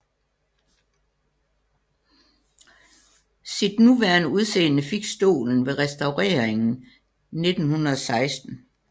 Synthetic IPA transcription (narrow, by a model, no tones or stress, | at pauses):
sid̥nuʋæɐnəuð̞ˠsḛːnəfiɡ̥sd̥o̝̰ːln̩ʋe̝ʁɛsd̥ɑ̈ʊʁɛ̰ːɐeŋn̩ | ne̝d̥n̩hunɐð̩ˠɒ̽sɑ̈ɪsd̥n̩